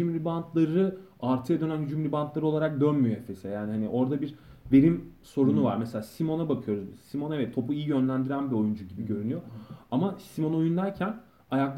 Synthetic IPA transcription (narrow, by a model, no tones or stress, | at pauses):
ymɾibant̪ʰlˠaɾɯ | aɾt̪ʰɯjad̪ø̞nænjyd͡ʒymɾibant̪lˠaɾɯo̞lˠaɾak̚d̪ø̞nmyjoefe̞sejaːnihaniʔo̞ɾd̪abiɾve̞ɾimso̞ɾunuva̰ɾmeselʲaːsimo̞nabakʰɯjo̞ɾuzsimonevɛt̪ʰːo̞puijijø̞nlʲænd̪iɾænbio̞jund͡ʒuɟibiɟø̞ɾynyjoamasimo̞no̞jund̪æɾcʰæn | ajak̚d̪ˠ